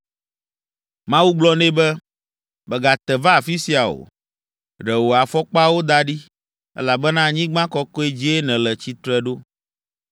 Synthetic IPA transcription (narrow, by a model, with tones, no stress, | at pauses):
mã˦wu˦ɡ͡blɔ˦nɛ̃˦bɛ˦ | bɛ˨ɡa˨t̪ɛ˨va˦˨fi˦si˦a˨o̰˨ | ɖɛ˨wo˨a˨fɔ˦k͡pa˦wo˦d̪a˦ɖi˦ | ɛ̰˦la˨bɛ˦nã˦ɲĩ˦ɡ͡bã˦kɔ˦kɔ˦e˦d͡ʑi˦e˦nɛ̃˨lɛ˨t͡ɕi˦t̪ɾɛ˦ɖo˦